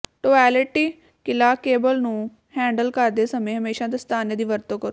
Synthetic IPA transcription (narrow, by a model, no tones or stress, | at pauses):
ʈoːɛːlɪʈiː | kɪlaːkeːbəlnũː | hɛ̃ːɳɖəlkəɾd̪eːsəmẽːɦəmeːʃãːt̪̬est̪ʰaːned̪iːʋəɾt̪oːkəɾoː